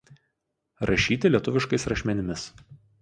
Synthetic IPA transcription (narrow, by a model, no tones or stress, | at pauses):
ɾʔɐʃʲiːt̪ʲɪlʲiɛt̪ʊʋʲɪʃkɐɪsɾɐʃʲmʲɛnʲɪmʲɪs